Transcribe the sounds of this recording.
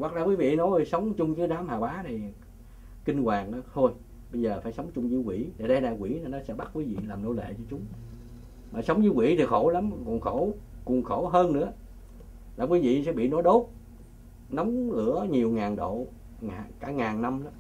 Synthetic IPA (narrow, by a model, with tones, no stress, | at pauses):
wa˨˩k̚laː˧˩kwi˨˦vḭ˧˨nɔ˨˦jsə˨˦wŋ͡mt͡ɕʊ˧ŋ͡mzɨ˨˦jɗaː˨˦mhaː˨˩waː˨˦na˨˩j | ki˧ŋkwaː˨˩nɔ˨˦t̪ʰo˧j | ɓə˧jzəː˨˩faː˧˩˦jsə˨˦wŋ͡mt͡ɕʊ˧ŋ͡mzɨ˨˦kwi˧˩˦ɗe˨˩ɗə˧ɗaː˧˩kwi˧˩˦na˨˧˩nɔ˨˦sɛ̰˧˥ɓa˦˥t̚kwi˨˦vḭ˧˨laː˨˩mno̰˧˥˦lḛ˧˨t͡ɕɔ˧t͡ɕʊ˨˦ŋ͡m | maː˨˩sə˨˦wŋ͡mzɨ˨˦kwḭ˧˩t̪ʰi˨˩xo˧˩˦la˨˦mkṵ˨˩ənxo˧˩˦ku˨˩ənxo˧˩˦ɦəː˧nnɨ̰˧˥ə | laː˨˩kwi˨˦vḭ˧˨sɛ̰˧˥ɓḭ˧˨nɔ˨˦jɗo˦˥t̚ | na˨˦wŋ͡mlɨ̰˧˥əɲi˨˩əwŋaː˨˩nɗo̰˧˨ | ŋaː˨˩kaː˧˩ŋaː˨˩nna˧mɗɔ˨˦